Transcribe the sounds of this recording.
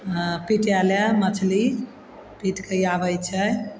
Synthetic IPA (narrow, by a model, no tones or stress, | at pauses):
piʈaləmət͡ʃʰli | piʈkəjabəjt͡ʃʰə